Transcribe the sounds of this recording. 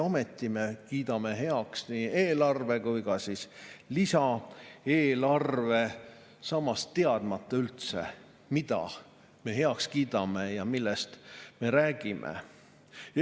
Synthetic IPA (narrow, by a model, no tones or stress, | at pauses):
omet̪ˑːime̞kiːd̪̥ɑme̞ɦe̞ɑksniːe̞ːlɑrve̞kujkɑsislisɑeːlɑrve̞ | sɑmːɑst̪ːe̞ɑd̪̥mɑt̪ːˑɑylt̪sḛ | mid̪̥ɑ̰ | me̞ɦe̞ɑkskiːd̪̥ɑmejɑmilːest̪me̞ɾæːɡ̥imʔḛ